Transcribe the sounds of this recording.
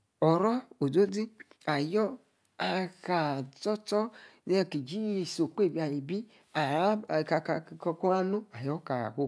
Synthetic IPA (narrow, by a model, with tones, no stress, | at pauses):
ɔ˨ɾɔ˦o˨do˦di˦a˨jɔ˦ | a˨ka˨tɔ˦tɔ˦ne˦˧˨ki˨d͡ʒi˦˨so˨k͡pe˦˨bi˨a˨ji˨bi˦ | a˨˦˨ka˨ka˧˨kɔ˧ko˦a˦nu˦a˨jɔ˦ka̰˨ho˦